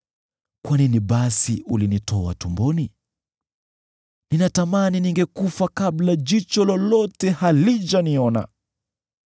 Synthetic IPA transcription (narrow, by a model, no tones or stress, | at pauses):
kwaniniɓasiʔulinitɔa̰tumbɔni | ninatamaniniŋɡɛkufakablad͡ʒit͡ʃɔlɔlɔtɛhalit͡ʃaniɔna̰